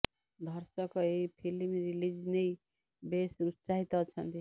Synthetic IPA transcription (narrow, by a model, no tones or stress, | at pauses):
d̪ʱʌɾsʌkʌipʰilimɾilid͡znej | besɾusaɦit̪ʌt͡sʰʌnt̪i